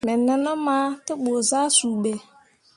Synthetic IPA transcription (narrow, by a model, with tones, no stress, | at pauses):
mɛ˨nə˨nə˦ma˦tɪ˦ɓo˨za˦su˨ɓe˨